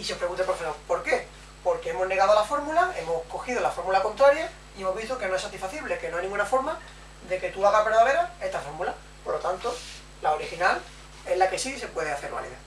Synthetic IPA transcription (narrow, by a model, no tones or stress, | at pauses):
iseopɾe̞ɣunt̪epɾofesoɾpo̞ɾke̞ | po̞ɾke̞emo̞ɦne̞ɣaðoalafo̞ɾmulae̞mohko̞xið̞olafo̞ɾmulako̞nt̪ɾaɾja | ie̞mo̞ɦβist̪oke̞noe̞sat̪ifaθiβle̞kenoajnĩŋɡunafo̞ɾma | ðe̞ke̞t̪uaɣaβeɾðaβe̞ɾaest̪afo̞ɾmula | poɾlo̞t̪ant̪o̞ | laoɾixinal | e̞ɦlake̞sise̞pwe̞ðeaθe̞ɾβa̰lḭða̰